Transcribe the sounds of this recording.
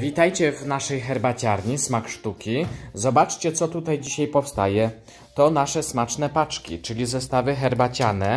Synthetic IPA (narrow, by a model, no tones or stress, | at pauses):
vʲit̪ajt͡ɕɛvnaʂɛjxɛɾbat͡ɕaɾɲismakʂt̪ukʲizɔbat͡ʂt͡ɕɛt̪sɔt̪ut̪ajd͡ʑiɕajpɔfst̪a̰jɛ | t̪ɔnaʂɛsmat͡ʂnɛpat͡ʂkʲḭt͡ʂɘlʲizɛst̪avɘxɛɾbat͡ɕanɛ